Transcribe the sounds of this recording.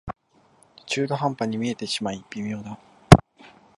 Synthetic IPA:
t͡ɕɨːd̪o̞ɦãmpaɲ̟imʲie̞t̪e̞ɕimaipʲːimʲijo̞ːd̪a

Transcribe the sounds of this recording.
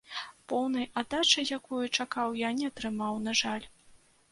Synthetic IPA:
pɔwn̪ɐjʔad̪at͡ʂɐjakɔjut͡ʂakawjanʲɛat̪ɾɨmawnaʐalʲ

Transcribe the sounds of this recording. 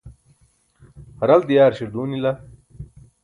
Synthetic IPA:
hɐɾɐld̪ijaːɾɕiɾd̪uːnilɐ

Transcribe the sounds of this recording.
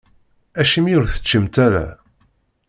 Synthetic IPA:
æʃimjʊɾθə̥t͡ʃːəmt̪æɾa̰

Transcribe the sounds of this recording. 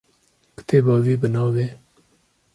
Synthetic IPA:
kə̥t̪eːbaːwiːbənɑːwe

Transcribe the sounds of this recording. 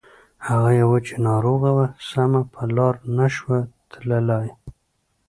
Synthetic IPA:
haɣajawat͡ʃenɑɾoɣawasamapʰəlɑɾnaʃwat̪ʰlalɑj

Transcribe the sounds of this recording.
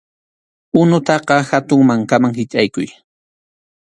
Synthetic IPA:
ʊnʊt̪ɑqɑxat̪ʊŋmaŋkamaŋhɪt͡ʃʼajkʊj

